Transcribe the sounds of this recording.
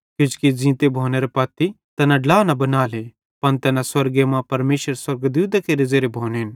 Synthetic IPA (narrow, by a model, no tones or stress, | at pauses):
kɪd͡ʒkid͡ʒĩːt̪ebʱoːneɾepɐːt̪ːi | t̪ɛːnãɖlaːnɐbɐnaːle | pɐnt̪ɛːnãswɐɾɡemãpɐɾmeːʃəɾswɐɾɡd̪uːd̪akeɾɪzeːɾebʱoːneɦɪn